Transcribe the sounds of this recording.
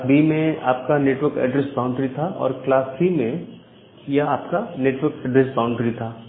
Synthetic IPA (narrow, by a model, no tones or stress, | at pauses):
bʱimẽa̰ːp̚kaneːʈwəɾkɛ̰ːɖɾesbãʊ̃ɳɖɾit̪ʰaʔɔ̰ːɾklaːsimẽ | jɐaːpkaneːʈwəɾkɛɖɾesbaːʊ̃ɳɖɾit̪ʰaː